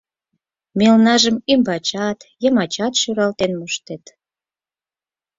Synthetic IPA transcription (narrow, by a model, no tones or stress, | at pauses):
melnɑʒəmimbɑt͡ɕɑt̪jəmɑt͡ɕɑt̪ʃyɾɑlt̪enmuʃt̪et̪